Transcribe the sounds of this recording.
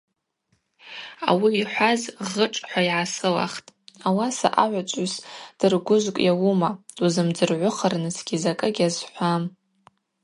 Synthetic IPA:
a̰wiːħʷazʁəʈ͡ʂʼħʷaiʕasɨla̰χtʼawasa̰ʔaʕʷat͡ʃʷʼasd̥ɨrɡʷʊʒʷkʷʼjawumad̥uzɨmd͡zɨrʕʷʊχərnɨsɡʲizakʼɨɡʲazħʷam

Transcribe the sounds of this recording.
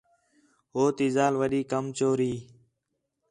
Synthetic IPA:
ɦoːt̪iːzaːlʋəɗiːkəmt͡ʃoːɾiː

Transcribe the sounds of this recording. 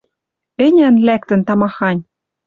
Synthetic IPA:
ɘ̆nʲænlæk̚t̪ɘ̆nt̪ɑmɑxɑnʲ

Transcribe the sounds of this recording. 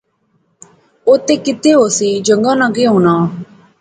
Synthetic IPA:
oːt̪eːkɪt̪eːɦoːsiːd͡ʒə̃ŋɡãːnaɡeːɦũːnaː

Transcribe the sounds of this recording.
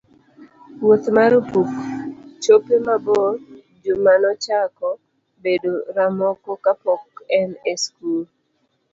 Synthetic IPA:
wot̪maɾopuft͡ʃopemabɔ | d͡ʒomanɔt͡ʃakɔ | bedoɾamɔkɔkapɔkɛneskul

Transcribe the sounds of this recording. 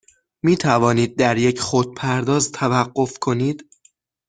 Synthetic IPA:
miːt̪ʰævɒːniːd̪̚ːæɾje̞cʰχod̪̥̚pʰæɾd̪ɒːzt̪ʰævæɢːo̞fkʰo̞niːd̪̥

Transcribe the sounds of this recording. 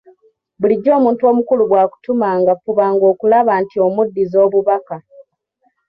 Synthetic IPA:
buliɟːo̞ːmuːntuo̞ːmukuluβwaːku̥tumaŋɡafuβaːŋɡo̞ːkulaβaːntio̞mudːizo̞ːβuβaka

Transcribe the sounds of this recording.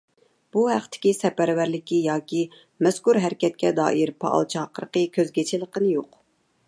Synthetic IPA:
b̥uɦæqt̪ʰɪ̥kʲisɛpæɾwæɾlɪkʲijɑːkʲi | mɛskuɾɦæɾkʲɛt̪̚kʲɛd̪ɑ̰ːʔiɾpʰɑ̰ʔɑ̰lˠt͡ʃʰɑɑqəɾəqəkʲʰøzɡʲet͡ʃʰɪlˠəqənɨjoq

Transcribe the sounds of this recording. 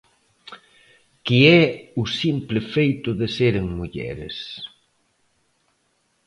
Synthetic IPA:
kiɛusimplɪfejt̪ʊðɪseɾeŋmuʎɛ̰ɾḛs

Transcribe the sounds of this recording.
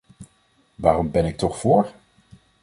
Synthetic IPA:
ʋaːrɔmbɛnɪk̚tɔχfʊːɹ

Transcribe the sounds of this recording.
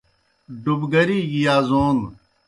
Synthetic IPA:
ɖubɡɐɾiːɡijaːzoːn

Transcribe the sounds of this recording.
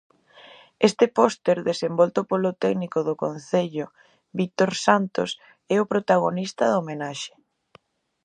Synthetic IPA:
est̪ɪpost̪eɾðesembɔlt̪opolot̪ɛɡnikoðʊkon̟θeʎʊ | βik̚t̪oɾsant̪os | ɛʊpɾot̪aɣonist̪aðomenaʃe̥

